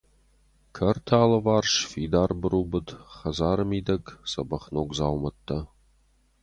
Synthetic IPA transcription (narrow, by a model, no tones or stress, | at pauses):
kʰɐrtʰaːlɐvaːrʂfiːd̪aːrbɨɾuːbɨt̪χɐzaːɾɨmiːd̪ɐksɐbɐχnoːkʷzaːwmɐt̪ʰːɐ